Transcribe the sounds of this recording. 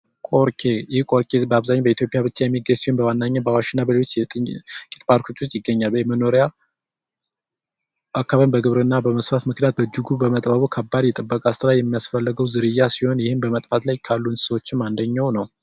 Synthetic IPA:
kʼoɾkʰejɪkʼo̞ɾkʼebəaβzaɲːabəit̪ʰjo̞pʼjaβɨt͡ʃːajɛmːiɡəɲsihonbəwanːaɲːabəawaʃɨnːabəleot͡ʃ̪ːʼ | kʼit̪ʼpʰaɾkʰo̞t͡ʃːwost̪ʼjɪɡːəɲːaljɛməno̞ɾja | ʔakːaβəmbəɡɨβɾɨnːabəməsfat̪mɨknijat̪̚bəd͡ʒuɡubəmət̪ʼbəβukʰəbːad̪jɛt̪ʼɨbːəkʼast̪ɨɾajɛmːijasfəlːəɡəwzɨɾɨjːasiho̞njɪhɨnbəmət̪ʼfat̪lajkʰalːun̥səwot͡ʃːɪmːand̪əɲːawnəw

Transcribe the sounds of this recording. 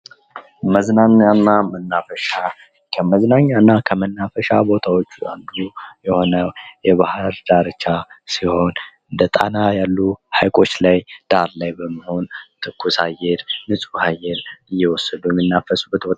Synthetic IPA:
məznaɲanːamənːafəʃa | kʰəməznaɲːanːakʰəmənːafəʃabo̞t̪ʰawot͡ʃːua̰nd̪ujɛho̞nəwjɛβahɨɾd̪̥aɾɨt͡ʃːasiho̞nɨnd̪ət̪ʼa̰najalːuhajkʼo̞t͡ʃːlajd̪̥aɾlajbəmːəho̞nt̪ʰɨkːusajɛɾnɨsʼhajɛɾɨjːɛwɔsːəd̪ujɛmːɨnːafəsʼubət̪wɔ

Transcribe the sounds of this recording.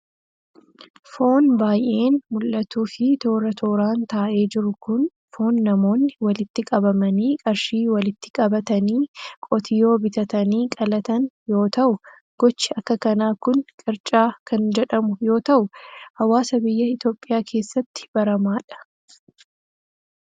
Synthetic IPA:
fo̞ːnbaːjʔe̞ːnmʊlʔɐt̪uːfɪt̪o̞ːɾɐt̪ʰoːɾaːnt̪aːʔe̞ːd͡ʒɪɾʊkʊn | fo̞ːnːɐmo̞ːnːɪwɐlɪt̪ːɪkʼɐbɐmɐniːkʼɐɾʃiːwɐlɪt̪ːɪ̥kʼɐbɐt̪ɐniːkʼɔt̪ʰɪjo̞ːbɪt̪ɐt̪ɐniːkʼɐlɐt̪ɐnjo̞ːt̪ɐʔʊ | ɡ̥ɔt͡ʃːɪɐkːɐkɐnaːkʊnkʼɪɾt͡ʃʼaːkʰɐnd͡ʒɛᶑɐmʊjo̞ːt̪ɐʔʊhɐwaːsɐbɪjːɐɪt̪jo̞ːpʼːɪjaːkʰe̞ːsːɐt̪ːɪ̥b̥ɐɾɐmaːᶑɐ̥

